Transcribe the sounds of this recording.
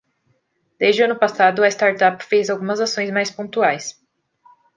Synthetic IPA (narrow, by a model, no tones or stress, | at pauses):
d̪̥ezd͡ʒɪɐ̃nʊpasad̪ʊest̪aɾt̪apfejzawɡũmɐzasõj̃smajspõt̪uajs